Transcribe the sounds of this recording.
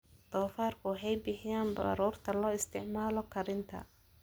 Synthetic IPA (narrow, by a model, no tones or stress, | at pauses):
d̪̥ɔːfaːrkʰʊʊħɑjbɪħɪjaːnbɐ̰ɾuːrt̪ʰɐlɔːɪst̪ʰɪʕmaːlɔkʰɐɾɪnt̪ʰɐ̰